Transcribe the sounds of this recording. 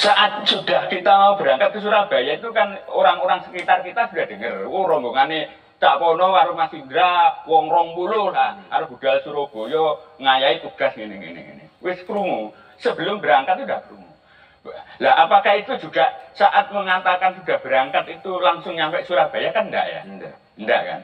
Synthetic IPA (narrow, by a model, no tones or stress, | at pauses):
saʔat̪̚sud̥ahkit̪amaub̥əɾaŋkat̪̚kəs̬uɾahb̥a̤jait̪ukanoɾaŋoɾaŋsə̥kit̪arkit̪asud̥a̤hd̪̥əŋərwoɾɔŋboŋane | t̪aʔpɔnɔwaɾumasind̪ɾawɔŋɾɔŋpulʊlakaɾuɡ̥ud̥alsuɾob̥ojɔŋajait̪uɡ̥asŋinɪŋḛnɪ̰ŋḛnḛwɪskɾuŋu | səb̥əlʊmbəɾaŋkat̪̚sudahpɾuŋu | laapakahit̪ud͡ʒṳɡ̥aʔsaʔat̪̚məŋat̪akansud̥ahb̥əɾaŋkat̪it̪ulaŋsʊŋɲampɛʔsuɾab̥a̤jakannda̰ʔja̰nda | nda̰ʔka̰n